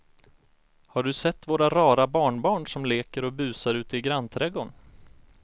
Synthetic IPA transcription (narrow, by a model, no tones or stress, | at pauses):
haɖɵsɛt̪ːvoːɾaɾɑːɾabɑːɳbɑːɳʂɔmleːkəɾɔbʉ̟ːsaɾʉ̟ːt̪əɪɡɾanːt̪ʰɾɛɡʊn